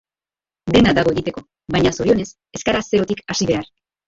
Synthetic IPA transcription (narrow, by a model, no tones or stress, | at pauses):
d̪e̞nad̪aɣ̞o̞e̞ɣit̪e̞ko̞ | βajɲaso̞ɾio̞ne̞s | e̞skaɾase̞ɾo̞t̪ikasiβe̞ar